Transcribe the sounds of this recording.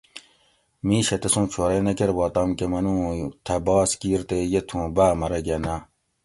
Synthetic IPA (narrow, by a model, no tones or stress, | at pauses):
mĩːɕɐt̪esũːt͡ʃʰoɾenɐkeɾbɑːt̪ɐmkemɐnũːt̪ʰɐbɑːskiːɾt̪ejet̪ʰũːbæːmɐɾeɡɐna